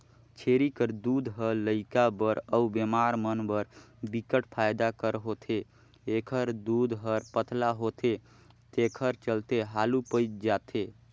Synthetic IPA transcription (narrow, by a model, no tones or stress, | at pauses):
t͡ʃʰeɾikəɾd̪ud̪ɦələɪkabəɾəubemaɾmənbəɾ | bikəʈpʰajd̪akəɾɦot̪ʰe | ekʰəɾd̪ud̪ɦəɾpət̪laɦot̪ʰe | t̪ekʰəɾt͡ʃəlt̪eɦalupəjt̪d͡ʒat̪ʰe